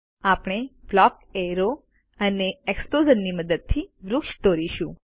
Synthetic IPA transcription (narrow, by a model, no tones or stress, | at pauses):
apɳ̃eblɔk | eɾo | əneeksplod͡ʒənːiməd̪əd̪̚t̪ʰiʋɾʊkʃt̪oɾiʃũ